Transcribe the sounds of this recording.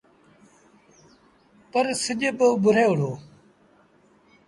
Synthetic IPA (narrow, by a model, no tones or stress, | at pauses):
pəɾsɪʄebəʊbʱʊɾeːʊɽ̤oː